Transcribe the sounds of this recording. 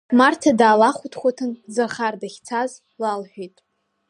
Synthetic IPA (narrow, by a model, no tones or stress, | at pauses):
martʰadaːlaχʷutʰχʷatʰɨnzarχardaχʲt͡sʰaz | lalħʷᶣijtʼ